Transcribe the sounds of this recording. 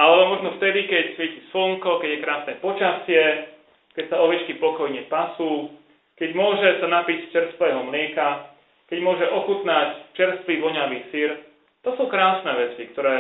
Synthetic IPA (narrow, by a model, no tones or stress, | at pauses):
ʔalɛbɔmɔʒnɔft̪ɛd̪ikɛcsʋɛcisl̩ŋkɔkɛɟjɛkɾaːsnɛːpɔt͡ʃasɪɛ | kɛcsaɔʋɛt͡ʃkipɔkɔjɲɛpasuː | kɛɟmʊɔʒɛsanapicst͡ʃɛɾst̪ʋɛːɦɔmlɪɛka | kɛɟmʊɔʒɛʔɔxut̪nact͡ʃɛɾst̪ʋiːʋɔɲaʋiːsiɾ | t̪ɔsuːkɾaːsnɛːʋɛt͡sikt̪ɔɾɛː